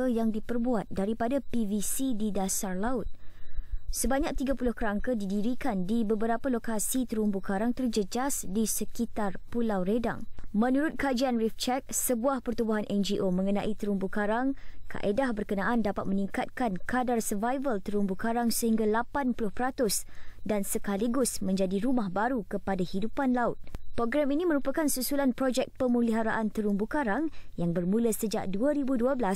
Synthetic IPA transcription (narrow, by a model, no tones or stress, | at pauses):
əjaŋdipərbuat̪̚daɾipadapivisididasarlaʊt̪̚ | səbaɲak̚t̪iɡapulʊhkəɾaŋkədidiɾikandibəbəɾapalokasit̪əɾumbukaɾaŋt̪ərd͡ʒəd͡ʒasdisəkit̪arpulawɾeda̰ŋmə̃nuɾʊt̪̚kad͡ʒianrift͡ʃɛk̚səbuahpərt̪ubuɦanʔɛnd͡ʒiʔomə̃ŋənã̰ʔit̪əɾumbukaɾaŋkʰa̰ʔedahbərkənãʔandapat̪̚mə̃nĩŋkat̪̚kankadarsərvajvəlt̪əɾumbukaɾaŋsəhiŋɡalapanpulʊhpəɾat̪ʊsdansəkaliɡʊsmə̃ɲd͡ʒadiɾumahbaɾukəpadahidupanlaʊt̪̚pɾɔɡɾɛminĩmə̃ɾupakansusulanpɾɔd͡ʒɛk̚pəmũliɦaɾa̰ʔant̪əɾumbukaɾaŋjaŋbərmũləsəd͡ʒa̰ʔduəɾibuduəblas